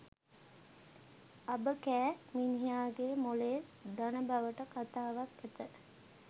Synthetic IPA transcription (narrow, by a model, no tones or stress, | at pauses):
ɐbəkæːminijaːɡemoled̪ɐnəbɐʋəʈəkat̪aːʋakæt̪ə